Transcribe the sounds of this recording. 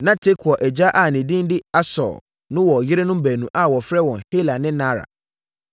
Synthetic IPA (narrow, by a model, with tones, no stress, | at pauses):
nã˦tʰe˦kʰɔ˨ʔɛ˨d͡ʑa˦ʔa˨nɪ̃˨dĩ˦n˦dɪ˦a˦sɔ̰˨ | nʊ̃˦wɔ˨jɪ˦ɾe˦nʊ̃˦m˦bæ˨nũ˨ʔa˦˨wɔ˨fɾɛ˦wɔ̃˨nhe˦la˨nɪ̃˦nã˦ɾa̰˨